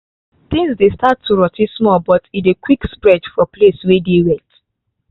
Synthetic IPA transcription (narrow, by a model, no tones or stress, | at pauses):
t̪ĩŋsdestatʰːuɹɔtismɔlbɔtidekwikspɹɛd͡ʒfɔpleswedeɹɛt